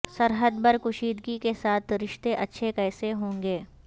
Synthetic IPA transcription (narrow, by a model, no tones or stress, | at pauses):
sɐɾɦəd̪bɐɾkʊʃiːd̪ɡikesaːt̪ʰɾɪʃt̪eʔɐtːʃʰekɛːseɦõːŋɡeː